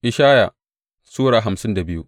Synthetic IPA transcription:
ʔɪ˨ʃaː˦ja˨ | suː˦ɽaː˨ɦa˨msɪ˦nda˨bɪ˦jṵ˦

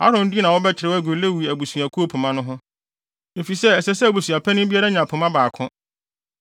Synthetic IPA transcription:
a̰˦ɾʊ̃˨n̩˦di˦nã˨wɔ˦bɛ˦t͡ɕʰɪ˨ɾɪ˨wɔ˦æ˦˨ɡʊ˨le˦wu˨i˨æ˨bu˨sũ˨æ˨kʰu˦o˦pʰʊ̃˨mã˦nʊ̃˦ɦʊ̃˦ | e˨fi˨sɛ˦ɛ˨sɛ˦sɛ˦æ˨bu˨su˨a˨pʰɛ˦nʊ̃˦bi˦a˦ɾa˦ɲã˨pʰʊ̃˨mã˦baː˨kʰʊ̃˦

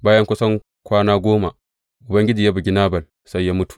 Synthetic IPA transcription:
baː˦jɐ˦ŋkʷʊ˦sɐ˦ŋ | kʷaː˦naː˦ɡʷoː˦ma˨ | ʔʊ˨bɐ˦ŋɡʲɪ˦d͡ʒiː˨ja˦bu˨ɡʲɪ˦naː˦bɐ˨l | sa˦jːa˦mʊ˦tu̥˨

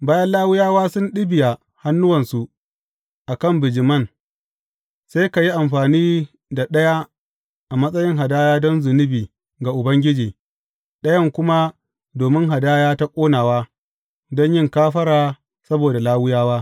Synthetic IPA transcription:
baː˦jɐ˦nlaː˦wʊ˦jaː˦waː˦sʊ˦nɗɪ˦bɪ˨ja˨ | ha˦nːʊ˦wɐ˨nsu˨ʔ | ʔa˨kɐ˦˨mbɪ˨d͡ʒɪ˨mɐ˦˨n | seː˦ka˨ji˦ʔa˨mɸaː˨niː˦ | da˨ɗɐ˦ja˦ | ʔa˨mɐ˦sʼɐ˦jɪ˦ŋɦa˨daː˦jaː˦dɔ˦nzʊ˨nɪ˦biː˨ | ɡa˨ʔʊ˨bɐ˦ŋɡʲɪ˦d͡ʒiː˨ | ɗɐ˦jɐ˦ŋkʷʊ˦ma˦ | doː˨mɪ˦ŋɦa˨daː˦jaː˦ta˦kʷʼoː˦naː˨waː˦ | dɔ˦ɲjɪ˦ŋkaː˦ɸɐ˦ɾaː˨ | sɐ˦boː˨da˨laː˦wʊ˦jaː˦waː˦

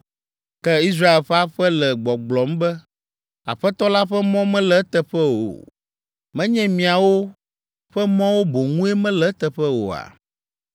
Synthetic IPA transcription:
kɛ˦i˦s̬ɾa˦e˨lɸɛ˦a˦ɸɛ˦lɛ˨ɡ͡bɔ˨ɡ͡blɔ˨mbɛ˦ | a̰˨ɸɛ˦t̪ɔ˦la˦ɸɛ˦mɔ̃˦mɛ̃˦lɛ˦t̪ɛ˨ɸɛ˦wo̰˨ | mɛ̃˦ɲɛ̃˦mĩ˨a˨wo˦ | ɸɛ˦mɔ̃˦wo˦bo˨ŋũ˦e˦mɛ̃˦lɛ˦t̪ɛ˨ɸɛ˦wo̰˨a̰˨

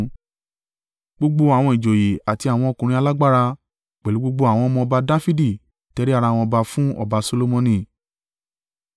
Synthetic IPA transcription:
ɡ͡bo˧ɡ͡bo˧a˨w̃ɔ̃˧i˨d͡ʒo˨je˨a˨ti˧a˨w̃ɔ̃˧o˧˨kũ˨ɾ̃ĩ˧a˧la˦ɡ͡ba˦ɾa˧ | k͡pɛ˨lu˨˦ɡ͡bo˦ɡ͡bo˧a˨w̃ɔ̃˧mɔ̃˧ɔ˧ba˧da˦fi˦di˦˨ | tɛ˧˦ɾi˦a˦˧ɾa˧˨w̃ɔ̃˧ba˧fũ˦ɔ̰˦˨ba˧so˧lo˧mõ˧nĩ˧˨

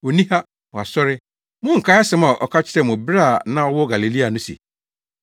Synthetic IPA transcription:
o˨nĩ˦ha˦ | mɔ̃˨a˨sɔ˦ɾɪ˦ | mʊ̃˦ŋ̩˨kʰa˦a˦sɪ̃˦ma˨ʔɔ̰˨kʰa˦t͡ɕʰɪ̥˦ɾɛ˦˨mʊ̃˨bɾa˦˨nã˦ɔ˦wɔ˦ɡa˨le˨li˦a˨nʊ̃˦sḭ˨

